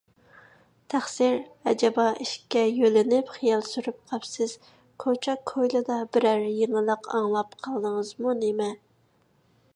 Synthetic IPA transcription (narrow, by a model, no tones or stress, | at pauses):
t̪ʰæχsiɾɛ̰d͡ʒɛbɑʔiʃkʲːɛjølɪnɪpχijɑlˠsyɾyp̚qʰɑpsɪz̥ | kʰot͡ʃʰɛkʰojlˠɨd̪ɑbɪɾæɾjeŋɨlˠəqʰɑ̰ŋlˠɑpqʰɑlˠd̪əŋəzmunemɛ